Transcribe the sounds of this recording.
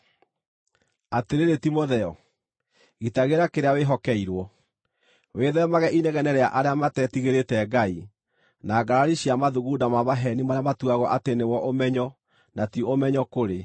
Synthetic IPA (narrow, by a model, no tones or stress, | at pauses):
ateɾeɾetimoðɛɔ | ɣitaɣeɾakeɾeaweɦɔkɛiɾwɔ | weðɛɔmaɣɛʔineɣɛnɛɾɛaʔaɾeamatɛtiɣeɾetɛɡai | naɡaɾaɾiɕiamaðuɣudamaβaɦɛnimamatuaɣɔʔatenewɔʔomɛɲɔ | natioomɛɲɔkoɾe